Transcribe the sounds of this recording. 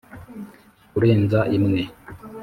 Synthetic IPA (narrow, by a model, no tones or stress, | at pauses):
kuɾeːnzaʔimŋe